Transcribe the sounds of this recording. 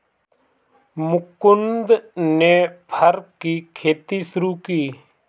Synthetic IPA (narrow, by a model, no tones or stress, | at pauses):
mʊkʊnd̪neːpʰəɾkiːkʰeːt̪iːsʊɾuːkiː